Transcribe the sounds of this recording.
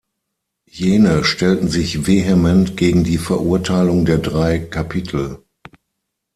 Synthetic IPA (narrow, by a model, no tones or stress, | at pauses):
jeːnəʃtɛltn̩zɪçveɦemɛntɡ̥eːɡŋ̩diːfɛɐʔuɐtʰaɪlʊŋdeːɐdʁaɪkʰapʰitʰl̩